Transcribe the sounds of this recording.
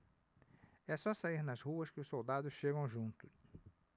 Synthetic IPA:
ɛsɔsaiɾnɐzhuɐskɪʊssowd̪ad̪ʊsʃeɡɐ̃w̃ʒũnt̪ʊ

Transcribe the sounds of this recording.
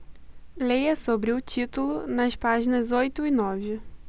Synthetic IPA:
lejɐsobɾɪʊt͡ʃit̪ulʊnɐspaʒinɐzojt̪ʊɪnɔvɪ

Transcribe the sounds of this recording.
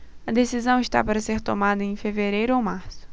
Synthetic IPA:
ɐd̪esizɐ̃w̃ɪʃt̪a̰paɾɐseɾt̪omad̪ɐẽj̃feveɾejɾʊowmaɾsʊ̥

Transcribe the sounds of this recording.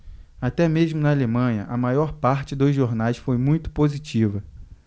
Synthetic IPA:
at̪ɛmeʒmʊnɐalemɐ̃ɲɐʔɐmajɔɾpaɾt͡ʃɪd̪ozʒoɾnajsfojmũj̃t̪ʊ̥pozit͡ʃivɐ

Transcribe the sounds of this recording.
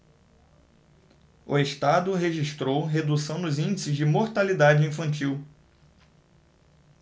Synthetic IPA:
ʊ̰eʃt̪ad̪ʊɦeʒiʃt̪ɾowɦed̪usɐ̃w̃nʊzĩnd͡ʒɪsɪzd͡ʒɪmoɾt̪alid̪ad͡ʒɪĩfɐ̃nt͡ʃiw

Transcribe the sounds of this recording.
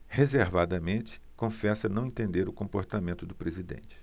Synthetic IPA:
hezeɾvad̪ɐmẽnt͡ʃɪ̥kõfɛsɐnɐ̃w̃ẽnt̪ẽnd̪eɾʊkõmpoɾt̪amẽnt̪ʊd̪ʊpɾezid̪ḛ̃nt͡ʃɪ̥

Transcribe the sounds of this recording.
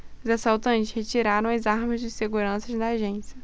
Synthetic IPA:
ʊzasawt̪ɐ̃nt͡ʃɪshet͡ʃiɾaɾɐ̃w̃ɐzaɾmɐzd͡ʒɪseɡuɾɐ̃sɐzd̪ɐːʒẽsjɐ

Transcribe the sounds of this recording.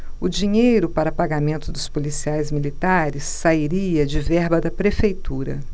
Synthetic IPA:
ʊd͡ʒĩɲejɾʊpaɾɐpaɡamẽnt̪ʊd̪ʊspolisiajzmilit̪aɾɪsːaiɾiɐd͡ʒɪvɛɾbɐd̪ɐpɾefejt̪uɾɐ̰

